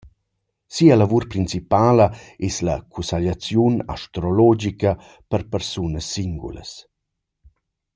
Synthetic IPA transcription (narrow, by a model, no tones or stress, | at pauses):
siəlavuɾpɾint͡sipaːləeslɐ̰kʰusaʎat͡sjuna̰ʃtɾolɔd͡ʒikə | pəɾpəɾsunəsːiŋɡṵlə̰s